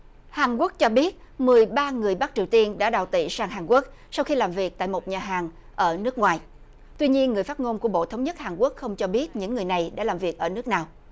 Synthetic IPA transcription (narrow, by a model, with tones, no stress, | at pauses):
haː˨˩nku˦˥ək̚t͡ɕɔ˧ɓi˦˥ət̚mɨ˨˩əjɓaː˧ŋɨ˨˩əjɓa˦˥k̚t͡ɕi˨˩əwt̪i˧ənɗa̰ː˧˥ɗaː˨˩wt̪ḭ˧˨saː˧ŋɦaː˨˩nku˦˥ək̚ | sa˧wxi˧laː˨˩mvi˨˩ək̚t̪a̰ː˧˨jmo˨˩t̚ɲaː˨˩ɦaː˨˩ŋ | ʔəː˧˩nɨ˦˥ək̚ŋwaː˨˩j | t̪wi˧ɲi˧ənŋɨ˨˩əjfaː˦˥t̚ŋo˧nku˧˩əɓo̰˧˨t̪ʰə˨˦wŋ͡mɲə˦˥t̚haː˨˩nku˦˥ək̚xə˧wŋ͡mt͡ɕɔ˧ɓi˦˥ət̚ɲɨ̰˧˥ŋːɨ˨˩əjna˨˩jɗa̰ː˧˥laː˨˩mvi˨˩ək̚ʔəː˧˩nɨ˦˥ək̚naː˨˩w